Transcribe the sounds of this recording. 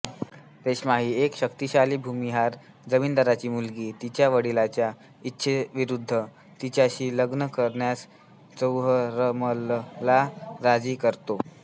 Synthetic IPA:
t̪eɕmaɦiːekɕəkt̪iɕaliːbʱumiɦaɾ | d͡zəmiːnd̪əɾat͡ɕiːmulɡiːt̪it͡ɕjaʋəɽilat͡ɕja | itːɕʰeʋiɾud̪ʱːə | t̪it͡ɕjaɕiːləɡnəkəɾɳjas | t͡səwɦəɾəməllaɾad͡ziːkəɾt̪o

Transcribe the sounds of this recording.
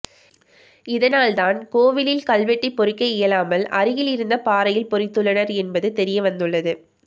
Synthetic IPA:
ɪðɐnaːlt̪aːnkoːʋɪlɪlkɐlʋɛʈːɪpːɔɾɪkːɐɪjɐlaːmɐlʔɐɾɯjɪlɪɾɯnd̪ɐpaːɾɐjɪlpɔɾɪt̪ːɯɭːɐnɐɾɛnbɐðɯt̪ɛɾɪjɐʋɐnd̪ɯɭːɐðɯ

